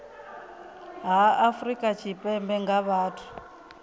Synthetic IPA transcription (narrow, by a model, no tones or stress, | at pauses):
ɦaafrikʼat͡ʃʰipʼɛmbɛŋɡaβaːtʰu̥